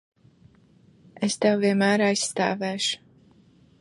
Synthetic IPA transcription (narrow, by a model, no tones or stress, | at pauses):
est̪ɛwviɛnmæːɾajsːt̪a̰ːvɛːʃu̥